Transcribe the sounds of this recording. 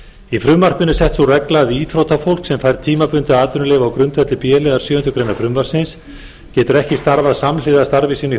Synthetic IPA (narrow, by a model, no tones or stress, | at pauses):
ifɾʏmvar̥pɪnʏsɛht̪sɔrɛklaðiːθʰɾowt̪afowl̥ksɛmfajɾt̪ʰiːmapʏnt̪ʏaːt̪ʏnʏlɛːvaːwkɾʏnt̪vɛt̪lɪpjɛːlɛːðaɾ̥sjʏːʏnt̪ʏkʰɾejnafɾʏmvaɾ̥sɪns | cɛːt̪ʏɾɛhcɪst̪aɾvaðsamlɪðast̪aɾvɪsiːnʏ